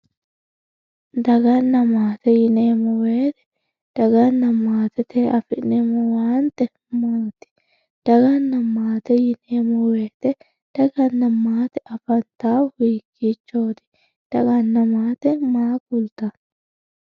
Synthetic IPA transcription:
d̪ɐɡɐnːɐmaːt̪ɛjɪneːmɔweːt̪ɛ̥ | d̪̥ɐɡɐnːɐmaːt̪ɛt̪eːʔɐfɪnemɔwaːnt̪ɛ | maːt̪ɪ̥ | d̪̥ɐɡɐnːɐmaːt̪ɛjɪneːmɔweːt̪ɛ | d̪̥ɐɡɐnːɐmːaːt̪ɛʔɐfɐnt̪aːwiːkːit͡ʃːoːt̪ɪ̥ | d̪̥ɐɡɐnːɐmaːt̪ɛmaːkʊlt̪ɐ

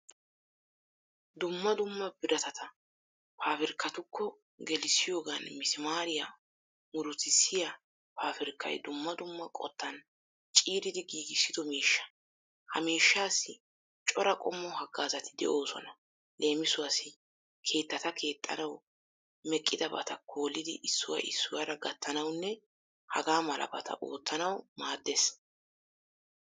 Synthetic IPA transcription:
d̪ʊmːɐd̪ʊmːɐbɪɾɐt̪ɐt̪ɐ | pʰaːfɪɾkːɐt̪ʊkʰːɔ | ɡɛlɪsɪjo̞ːɡanmɪsɪmaːɾɪja | mʊɾʊt̪ɪsːɪja | paːfɪɾkʰːɐ̰jd̪ʊmːɐd̪ʊmːɐkʼɔ̰t̪ʰːɐn | t͡ʃʼiːɾɪd̪ɪɡiːɡɪsːɪd̪ɔmiːʃːɐ̥ | hɐ̰miːʃːaːsːɪ | t͡ʃʼɔɾɐkʼɔmːɔhɐɡːaːzɐt̪ʰɪd̪ɛ̰ʔo̞ːsɔ̰nɐ | le̞ːmɪsʊwasɪ | kʰe̞ːt̪ːɐt̪ɐkʰe̞ːt̪ʼːɐ̰nɐw | mɛkʼːɪd̪ɐbɐ̰t̪ɐkʰo̞ːlːɪd̪ɪ̰ʔɪsːʊwa̰ʔɪsːʊwaɾɐɡɐt̪ʰːɐnɐwnːɛ | hɐɡaːmɐlʔɐ̰bɐ̰t̪ʰɐ̰ʔoːt̪ːɐnɐwmaːd̪ːɛs

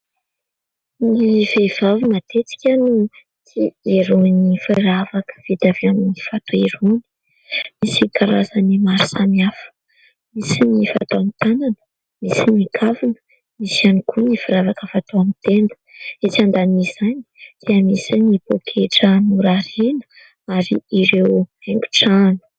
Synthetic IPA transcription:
niv̥ev̥avinat̪et͡si̥kʲanu | t͡sieɾunifiɾavakə̥v̥it̪aveaminifat̪oeɾuni̥ | misikaɾazanimaɾisamiafə̥ | misinifa̰t̪oamit̪ananə̥ | misinikʰavinə̥ | misianikʰunifiɾavakəfat̪oamit̪end̪ə̥et͡sand̪anizani̥d̪̥eəmisanibokʰeʈ͡ʂənuɾaɾinə̥ | aɾḭiɾeweŋɡʲu̥ʈ͡ʂanə̥

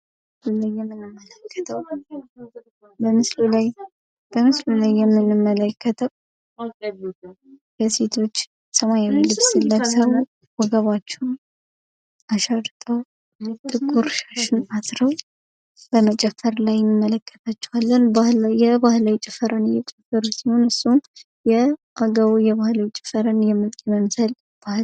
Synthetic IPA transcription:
mmmslulajːɛmːɨnːɨmːələkʰːət̪ʰəw | bəmɨsluaj | b̥əmɨslulajːɛmːɨnːɨmːələkʰːət̪ʰəw | bəse̞t̪ʰo̞t͡ʃː | səmajawilɨβsilːaɡsəw | wɔɡəβat͡ʃːɛn | ʔaʃaɾt̪ʼəw | t̪ʼɨɡuɾʃaʃɪnat̪ɾəw | b̥əmət͡ʃʼɛfːəɾlajɛnːɨmːələkʰːə̥t̪ʰat͡ʃːɛhalːənjɛbahlawit͡ʃʼɪfəɾənjɛt͡ʃʼɛfəɾusiho̞nɨsːu | jɛʔaɡəβujɛβahlawit͡ʃʼɪ̥fəɾənjɛmːɨlkʼiməmsəl | b̥ah

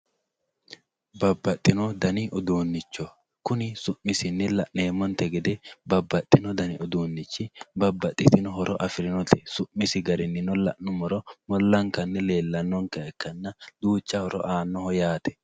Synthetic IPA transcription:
bɐbːɐt̪ʼːɪnɔd̪ɐnɪʔɔd̪uːnːɪt͡ʃːɔ | kʊnɪsʊʔmɪsɪnːɪlɐʔneːmːɔnt̪ɛɡɛd̪ɛbɐbːɐt̪ʼːɪnɔd̪ɐnɪɔd̪uːnːɪt͡ʃːɪbɐbːɐt̪ʼːɪt̪ɪnɔɦɔɾɔʔɐfɪɾɪnɔt̪ɛ̥sʊʔmɪsɪɡɐɾɪnːɪnɔlɐ̰ʔnʊmɔɾɔmɔlːɐŋkɐnːɪle̞ːlːɐnːɔŋkɐɛkːɐnːɐd̪̥uːt͡ʃːɐhɔɾɔ̰ʔaːnːɔhɔjaːt̪ɛ̥

